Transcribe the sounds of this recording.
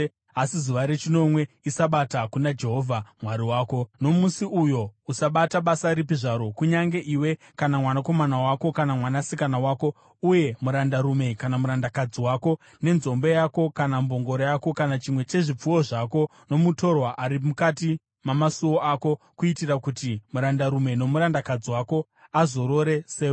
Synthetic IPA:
asizuʋaɾe̞t͡ʃino̞mwe̞ | isaɓatakunad͡ʒe̞ɦo̞vʱamwaɾiwaːko̞no̞musiʔujo̞usaɓataɓasaɾip̬iʐaɾo̞kuɲaŋɡe̞ʔiwe̞ | kanamwanako̞manawako̞kanamwanasikanawaːko̞ | uje̞muɾandaɾume̞kanamuɾandakad͡ziwako̞ | ne̞nzo̞mbo̞jako̞kanambo̞ŋɡo̞ɾojako̞kanat͡ʃimwe̞t͡ʃe̞ʐip͡fuwo̞ʐako̞ | no̞muto̞rwaʔaɾimukati | mamasuwoako̞ | kuitirakutimuɾandaɾume̞no̞muɾandakad͡ziwako̞ | azo̞ɾo̞ɾe̞seːo

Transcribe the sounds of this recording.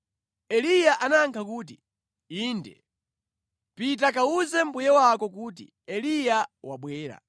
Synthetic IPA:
ɛlijaʔanaŋkʰakuːt̬i | iːndɛ | pitakauzɛm̩bujɛwakɔkuːt̬ḭ | ɛlijawaɓwɛːɾa̰

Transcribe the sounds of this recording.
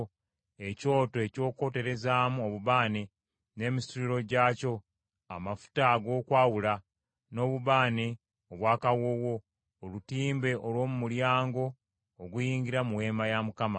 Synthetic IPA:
e̞co̞ːtoe̞co̞ːko̞te̞ɾe̞zaːmuoβuβaːne | ne̞ːmisuɾiɾo̞ɟaːco̞ | a̰mafu̥taɡo̞ːkwaːwula | no̞ːβuβaːne | oβwaːkawo̞ːwo̞ː | lutiːmbe̞ʔolwo̞ːmumuljaːŋɡo̞ː | ɡujiːɲɡiɾamuwe̞ːmajamukama

